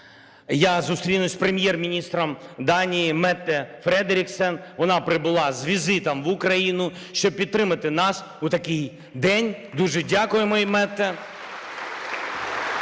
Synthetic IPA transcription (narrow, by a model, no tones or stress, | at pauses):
jazust̪ɾʲinʊsʲpɾemʲjɛrmʲinʲist̪ɾɔmd̪ɑnʲijimɛt̪ːɛfɾɛd̪eɾʲɪksɛnʋɔnɑpɾɪbʊlˠɑzʋʲizɪt̪ɐmʋʊkɾɐjinʊ | ʃt͡ʃɔb̚pʲid̪̚t̪ɾɪmɐt̪ɪnɑs | ut̪ɐkɪj | d̪ɛnʲd̪uʒɛdʲakʊjemɔimɛt̪ːɛ